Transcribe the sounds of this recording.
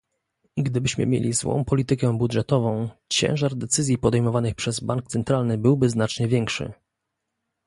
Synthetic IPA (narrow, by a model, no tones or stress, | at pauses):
ɡd̪ɘbɘɕmɘ̰mʲjḛlʲizwɔ̰̃w̃pɔlʲit̪ɘkɛbud̪ʐɛt̪ɔvɔ̃w̃t͡ɕɛ̰̃w̃ʐaɾd̪ɛt̪sɘzʲjipɔd̪ɛjmɔvanɘxpʂɛzbaŋkt̪sɛnt̪ɾalnɘbɘwbɘznat͡ʂɲɛvʲjɛŋkʂɘ̰